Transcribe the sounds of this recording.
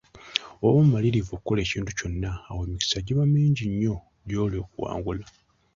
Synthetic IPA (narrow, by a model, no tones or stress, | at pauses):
owomumaliɾivokukːo̞le̞ːciːntuco̞nːaːwe̞ːmiki̥saɟiβamiːɲɟiɲːo̞ | ɟo̞ːlio̞ːkuwa̰ːŋɡula